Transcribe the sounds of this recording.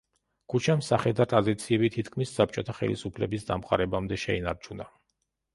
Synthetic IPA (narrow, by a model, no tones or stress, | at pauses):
kʰut͡ʃʰamsaχɛd̪at̪ʼad̪it̪sʰiɛbit̪ʰit̪ʰkʰmisːap̚t͡ʃʼɔt̪ʰaχɛ̰lḭsupʰlɛbisd̪a̰mqʼa̰ɾɛbamd̪ɛʃɛina̰ɾt͡ʃʰuna